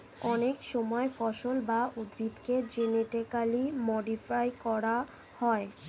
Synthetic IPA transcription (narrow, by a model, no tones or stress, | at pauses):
ɔnekʃɔmɔefɔʃolbaud̪bʱit̪ked͡ʑeneʈikalimɔɖifajkɔɾa | hɔe